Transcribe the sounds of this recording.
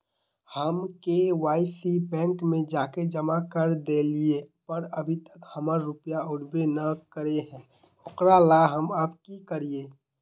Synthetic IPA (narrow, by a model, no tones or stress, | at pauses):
həmkeʋaːɪsibɛ̃ːŋkmẽd͡ʒaːked͡ʒəmakəɾd̪eliepəɾəbʱit̪əkhəməɾɾʊpjaʊɽbenəkəɾeɦɛ̃ː | ʊqɾalaɦəməpkikəɾieː